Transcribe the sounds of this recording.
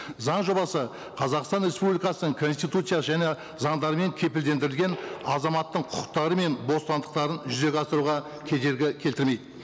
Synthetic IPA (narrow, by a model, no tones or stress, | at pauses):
zɑɴʒo̞bɑsə | qʰɑzɑqst̪ɑnɾe̞spublijkɑsənəɴkʰo̞nst̪ijt̪ut̪sɨjasəʒæne̞ | zɑɴd̪ɑɾəme̞ŋkʲʰe̞pɪld̪e̞nd̪ɪɾɪlɡʲe̞nɑzɑmɑt̪ːəɴqʰʊqə̥qt̪ɑɾəme̞nbo̞st̪ɑnd̪əqt̪ɑɾənʒʏze̞kʲɑst̪əɾuʁɑ | kʲʰe̞d̪e̞ɾɡʲɪkʲʰelt̪ɪɾme̞jd̪ɪ